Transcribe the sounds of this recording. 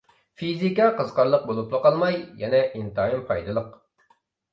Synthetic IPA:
fizikɑqəzqɑɾlˠəq̚bolˠuplˠəqɑlˠmɑjjɛnɛʔint̪ɑimpʰɑjd̪ɨlˠəq

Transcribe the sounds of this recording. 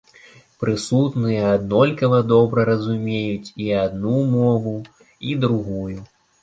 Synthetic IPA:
pɾɨsut̪nɨjɐad̪nɔlʲkɐvɐd̪ɔbɾɐɾɐzumʲejut͡sʲiad̪numɔvu | id̪ɾuɣuju

